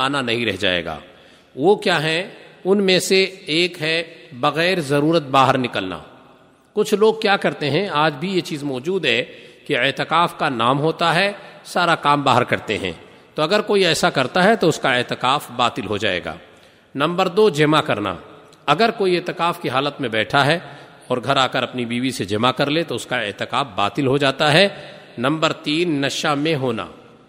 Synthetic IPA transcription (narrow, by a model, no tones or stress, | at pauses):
aːnanɐɦĩɾɛ̰ɦd͡ʒa̰ːḛːɡa̰ː | ʋokjaːɦɛʊnmẽseeːkɦɛbɐɣɛːɾzɐɾuːɾət̪̚baːɦəɾnɪkəlna̰ː | kʊt͡ʃʰloːɡ̚kjaːkɐɾt̪eɦɛ̃aːd͡ʒbʱijet͡ʃiːzmɔːd͡ʒuːd̪ɦɛkieːt̪ɪkaːfkanaːmɦoːt̪aɦɛsaːɾakaːmbaːɦəɾkɐɾt̪ḛɦɛ̰̃ː | t̪oːɐɡəɾkoːiɛːsakɐɾt̪aɦɛt̪oʊskaeːt̪ɪkaːfbaːt̪ɪlɦod͡ʒa̰ːḛːɡa̰ː | nɐ̃mbəɾd̪oːd͡ʒɪmakɐɾna̰ː | ɐɡəɾkoːieːt̪ɪkaːfkiɦaːlət̪mẽbɛːʈʰaɦɛ | ɔːɾɡʱɐɾaːkəɾɐpnibiːʋised͡ʒɪmakɐɾlet̪oʊskaḛt̪ɪkaːfba̰ːt̪ɪlɦod͡ʒaːt̪aɦɛ | nɐ̃mbəɾt̪iːnːɐʃamẽɦoːna̰ː